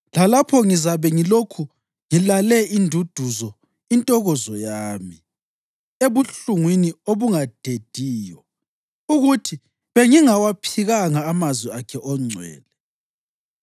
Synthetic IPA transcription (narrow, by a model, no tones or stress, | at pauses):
lalapʰɔŋizaβɛŋilokʰu | ŋilalɛindʱud̥ʱuzɔ | intʼɔɣɔzɔjaːmi | eβuɬuŋwinioβuŋad̥ʱed̥ʱiːjɔ | uɣutʰi | βeŋiŋawapʰiɣaŋaːmazwiakʰɛʔɔŋ͡ǀʱwɛ̰ːlɛ